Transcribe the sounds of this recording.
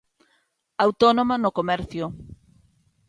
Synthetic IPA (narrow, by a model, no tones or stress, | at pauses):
awt̪onomanokomɛɾθjʊ